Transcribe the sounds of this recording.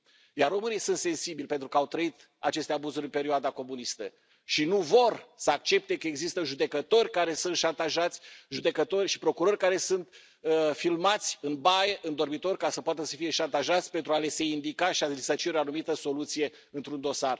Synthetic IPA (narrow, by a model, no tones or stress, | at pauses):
jarːo̞mɨnijsunt̪se̞nsibilʲpe̞nt̪ɾukəawt̪ɾəit̪ | a̰t͡ʃe̞st̪eabuzuɾʲɨnpe̞ɾioad̪ako̞munist̪ə̰ | ʃinuvo̞rsəak̚t͡ʃe̞p̚t̪e̞kəeɡzist̪əʒud̪e̞kət̪o̞rʲkaɾe̞sunt̪ʃant̪aʒat̪sʲʒud̪e̞kət̪o̞rʲʃi̥pɾo̞kuɾo̞rʲkaɾe̞sunt̪ | əfilmat̪sʲɨnbajeʔɨnd̪o̞rmit̪o̞rʲkasəpoat̪əsəfije̞ʃant̪aʒat̪sʲpe̞nt̪ɾuale̞se̞ind̪ikaʃialisət͡ʃiɾʲoanumit̪əso̞lut̪sije̞ | ɨnt̪ɾund̪o̞sar